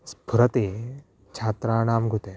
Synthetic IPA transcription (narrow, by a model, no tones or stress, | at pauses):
sbʱuɾɐt̪eː | t͡ʃʰaːt̪ɾaːnaːmɡut̪e